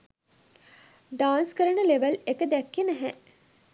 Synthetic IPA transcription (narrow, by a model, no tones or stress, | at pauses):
ɖaːnskəɾəɳəleʋəlekəd̪ækːenæɦɛʔ